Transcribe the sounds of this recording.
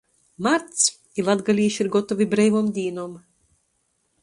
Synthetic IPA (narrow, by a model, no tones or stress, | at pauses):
maɾt̪s | ilˠad̪ɡalʲiːʃiɾɡɔt̪ɔvʲibɾɛjvoːmd̪ʲiːnoːm